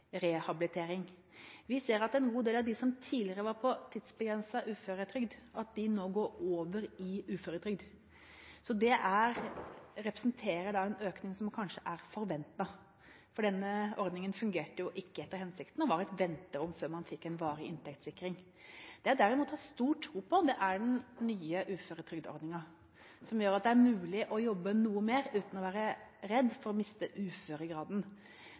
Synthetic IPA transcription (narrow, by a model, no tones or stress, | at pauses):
ɾɛhɑbɪlɪt̪ʰeːɾɪŋ | ʋɪseːɾɑt̪ɛnɡuːd̪eːlɑʋd̪ɪsɔmt̪ʰiːlɪɾəʋɑɾpʰɔt̪ʰɪd̪sbəɡɾɛnsɑʔʉːføːɾət̪ʰɾʏɡd̪ʔɑt̪̚d̪ɪnoːɡoːɾoːʋəɾɪʉːføːɾət̪ʰɾʏɡd̪ | sɔd̪ɛʔæɾɾɛpɾəsnt̪ʰeːɾəɖɑɛnøːknɪŋsɔmkʰɑnʂəʔæɾfɔɾʋɛnt̪ɑ | fɔɖɛnːəɔɾd̪nɪŋənfʉŋɡeːʈəjʊʔɪkːəɛt̪ːəɾhɛnsɪkt̪n̩ɔʋɑːɾæt̪ʋɛnt̪əɾɔmføːɾmɑnfɪkːɛnʋɑːɾɪʔɪnt̪ʰɛkt̪sɪkːɾɪŋ | d̪̥ɛjɑd̪æɾɪmuːt̪hɑst̪uːʈʰːɾuːpʰɔd̪ɛʔæɖɛnnyːəʔʉːføːɾət̪ʰɾʏɡd̪əɔ̰ɾd̪nɪŋɑ | sɔmjøːɾɑt̪̚d̪ɛæɾmʉːlɪʔɔjɔbːənuːəmeːɾʉːt̪n̩ɔʋæːɾəɾɛd̪ːfɔɾɔmɪst̪əʔʉːføːɾəɡɾɑːd̪n